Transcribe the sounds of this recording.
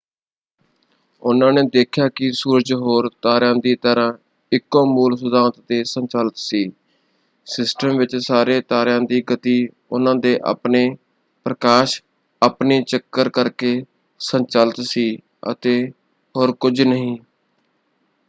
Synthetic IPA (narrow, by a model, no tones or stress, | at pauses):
ʊnãːneːd̪eːkʰjaːkɪsuːɾəd͡ʒɦoːɾt̪aːɾjãːd̪iːt̪əɾãː | ɪkːõːmuːlsʊd̪aːnt̪t̪eːsənt͡ʃaːlət̪siː | sɪsʈəmʋɪt͡ʃsaːɾeːt̪aːɾjãːd̪iːɡət̪iː | ʊnãːd̪eːʔa̰ːpneː | pɾəkaːʃ | apneːt͡ʃəkːəɾkəɾkeː | sənt͡ʃaːlət̪siː | ə̰t̪eː | ɦoːɾkʊd͡ʒnəɦĩː